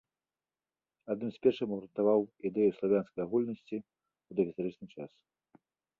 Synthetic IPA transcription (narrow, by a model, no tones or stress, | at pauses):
ad̪nɨmsʲpʲɛrʂɨmɐɾɨnt̪avawid̪ɛjuslˠavʲjanskɐjaɣulʲnɐsʲt͡sʲi | ud̪ɐɣʲist̪aɾɨt͡ʂnɨt͡ʂas